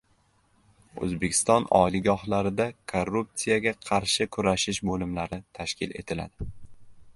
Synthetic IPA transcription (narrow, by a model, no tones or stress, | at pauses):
ɵ̰zbe̞kʲʰɪ̥st̪ɒnɒ̰liɡɒɦlaɾɪd̪akʰorːup̚t̪sijaɡʲaqʰɑɾʃɪkʰʊɾaʃɪʃbolɪmlaɾɪt̪ʰaʃkʲɪle̞̰t̪ʰɪla̰d̪ɪ